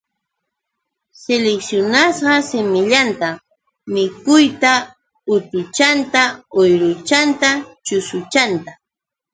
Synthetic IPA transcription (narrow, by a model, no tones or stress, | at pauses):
seleksjonasɢɑsɪmɪʎant̪a | mɪkʊjt̪a | ʊt̪ʊt͡ʃant̪aojɾʊt͡ʃant̪at͡ʃʊsʊt͡ʃant̪a